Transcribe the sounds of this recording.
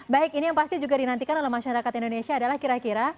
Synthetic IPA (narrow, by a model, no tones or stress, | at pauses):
baɪkinijaŋpast̪id͡ʒuɡadinant̪ikanolɛɦmaʃaɾakat̪indonesiaːdalahkiɾakiɾa